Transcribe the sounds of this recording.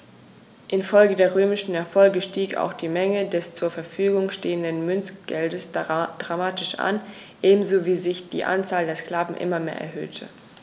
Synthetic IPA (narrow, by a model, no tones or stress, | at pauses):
ʔɪnfɔlɡədeːɐʁ̞øːmɪʃn̩ɛɐfɔlɡəʃtiːka̰ʊxd̥iːmɛŋədɛst͡suːɐfɛɐfyːɡʊŋʃteːəndənmʏnsɡ̥ɛldəsd̥ʁamaːtɪʃʔa̰n | ʔeːbm̩zoviːzɪçd̥ḭːʔa̰nt͡saːldeːɐskl̥aːvn̩ʔɪ̰mɐmeːɐʔɛ̰ɐɦø̰ːtʰə̰